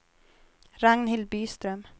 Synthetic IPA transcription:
ɾaŋnhɪl̚byːst̪ɾœm

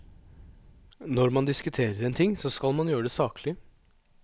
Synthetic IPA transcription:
nɔɾmɑnd̪ɪskʉt̪ʰeːɾəɾɛnt̪ʰɪŋːsɔskɑlmɑnjøːəɖ̪ɛsɑːkʰlɪ

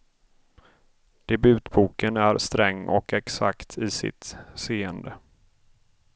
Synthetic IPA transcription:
d̪̥ɛbʉ̟ːt̪buːkənæɾst̪ɾɛŋːɔ̰kɛksa̰kt̪ʰɪsɪ̰t̪seːənd̪ə

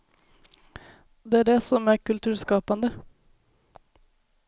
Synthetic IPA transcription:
d̪ɛæːɖɛsɔmæɾkʉlt̪ʰʉːɾskɑːpɑnd̪ə

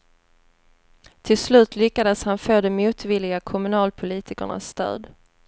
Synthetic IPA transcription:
t̪ʰɪlslʉ̟ːt̪lʏkːad̪əshanfoːd̪ɔmmuːt̪vɪlːɪɡakʰʊmɵnɑːlpʰʊliːt̪ɪkə̰ɳa̰sːt̪ø̰ːd̪

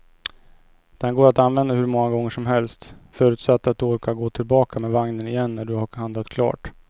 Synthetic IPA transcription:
d̪̥ɛnɡoːɾat̪anvɛnd̪aɦɵɾmɔŋːaɡɔŋːəʂɔmɦɛlst̪fœːɾʉ̟ːt̪sat̪ːat̪̚d̪ɵoːɾkaɡoːt̪ʰɪlbɑːkamɛːvaŋnənɪjɛnːæɖɵhahand̪lat̪kʰlɑ̰ːʈ

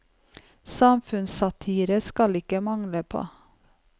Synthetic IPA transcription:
sɑmfʉnsɑt̪ʰiːɾəskɑlɪkəmɑŋləpʰo̰ː

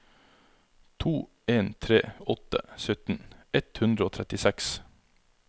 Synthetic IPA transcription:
t̪ʰuː | eːnt̪ʰɾḛːɔt̪ə̰sœt̪n̩ɛt̪hʉnd̪ɾəoːt̪ʰɾɛt̪ɪsɛks

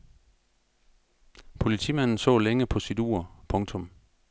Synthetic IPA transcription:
pʰo̝lit͡sʰḭːmæn̰n̩sɔ̰̽ːleŋəpʰɒ̽sid̥uɐ̰pʰɔ̽ŋt͡sʰɔ̽m

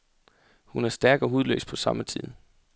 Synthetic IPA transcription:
hunæɐsd̥æɐɡ̥ɒ̽ɦuð̞ˠlø̰ːspʰɒ̽sɑ̈mət͡sʰið̞̰ˠ

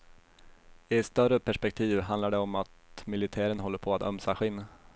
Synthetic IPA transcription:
ɪɛt̪st̪œrəpʰæʂpɛk̚t̪ʰiːvɦand̪aɖɛɔmat̪mɪlɪt̪ʰæːɾənɦɔlːəɾpʰɔat̪œ̰msaɧɪnː

